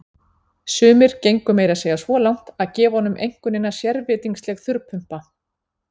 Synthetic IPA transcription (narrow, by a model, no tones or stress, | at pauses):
sʏːmɪɾ̥cejŋkʏmeːjɾaseːjasvɔːlawŋ̥t̪aðcɛːvɔnʏmʔḛjŋ̥kʏnɪnːasjɛɾvɪːt̪iŋkslɛɣθʏɾpʰʏm̥pa